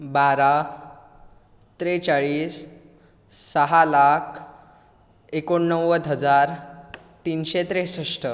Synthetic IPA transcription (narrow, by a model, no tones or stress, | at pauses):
baɾa | t̪ɾet͡saɭiːsː | əɦalakʰ | ekoɳːəwəd̪ʱɦəd͡zaɾ | t̪inɕet̪ɾesəʂʈə